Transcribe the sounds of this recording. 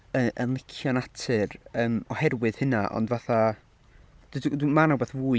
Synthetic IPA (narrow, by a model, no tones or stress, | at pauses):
əʔənlˠɪkʰjɔnatʰɨrəːmɔhɛrwɨð̥hɨnaʔɔ̰ndvaθa | d̥ddmanawbɛθvuː